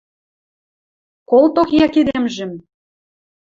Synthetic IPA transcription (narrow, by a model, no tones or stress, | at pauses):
kolˠt̪okjɑked̪emʒɘ̆m